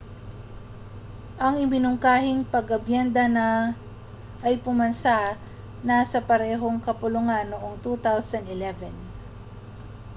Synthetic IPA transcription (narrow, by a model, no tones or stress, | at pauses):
ʔɐŋʔɪmɪnʊŋkaːhɪŋpɐɡɐbjɛnd̪ɐnɐ | ʔɐjpʊmɐnsa | nasɐpɐɾɛːɦo̞ŋkɐpʊlʊŋanːoʔoŋt̪uːt̪awsɐnd̪ɪlɛvɛn